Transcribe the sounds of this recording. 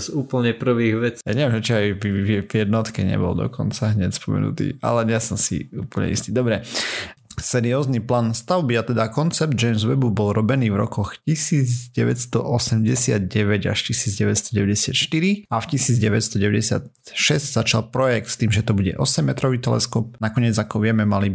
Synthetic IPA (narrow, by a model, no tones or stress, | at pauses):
zuːpl̩ɲɛpr̩ʋiːɣʋɛt͡sjaɲɛʋɛmʒɛt͡ʃiaɪvɛvjɛd̪nɔt̪kɛɲɛ̰bɔ̰ld̪ɔ̰kɔ̰nt͡saɦɲɛcspɔmɛ̰nṵt̪ḭːa̰lɛɲɛsɔmsḭuːpl̩ɲɛ̰ḭst̪iːd̪ɔbɾɛ | sɛɾiɔːzniplaːnst̪aʊbiat̪ɛd̪akɔnt͡sɛb̚d̪̚d͡ʒɛjmzʋɛbubɔlɾɔbɛniːvɾɔ̰kɔxcisiːd͡zɟɛʋɛtst̪ɔʔɔsɛmɟɛsɪad̪̚ɟɛʋɛɟa̰ʃcisiːd͡zɟɛʋɛcst̪ɔɟɛʋɛɟɛsɪat̪ʃt̪iɾiafcisiːd͡zɟɛʋɛcst̪ɔɟɛʋɛɟɛsɪa̰t̪̚ | ʃɛzɟzat͡ʃalpɾɔjɛk̚t̪st̪iːmʒɛt̪ɔbuɟɛ̰ʔɔsɛmːɛt̪ɾɔʋiːt̪ɛlɛ̰skɔp̚nakɔɲɪɛd͡zakɔʋɪɛmɛmali